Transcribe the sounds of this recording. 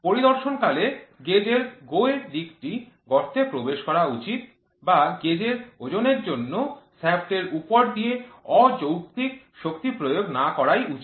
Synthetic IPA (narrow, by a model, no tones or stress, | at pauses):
poɾid̪ɔɾʃonkaleɡed͡ʑeɾɡoeɾd̪ikʈi | ɡɔɾt̪ʰepɾobeʃkɔɾaut͡ɕit̪̚ | baɡed͡ʑeɾod͡ʑoneɾd͡ʑonːosɛbʈeɾupoɾd̪ijeɔd͡ʑowkt̪ik̚ | ʃok̚t̪ipɾojoɡnakɔɾajʔut͡ɕ